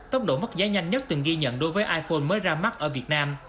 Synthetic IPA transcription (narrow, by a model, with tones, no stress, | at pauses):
t̪ə˦˥wŋ͡m̚ɗo̰˧˩mə˦˥t̚zaː˨˦jɲa˧jŋ̟ɲə˦˥t̚t̪ɨ˨˩ŋɣi˧ɲə̰˧˨nɗo˨˦jvəː˨˦jʔaː˧jfo˧nməː˨˦jzaː˧ma˦˥t̚ʔəː˧˩vi˨˩ət̚naː˧m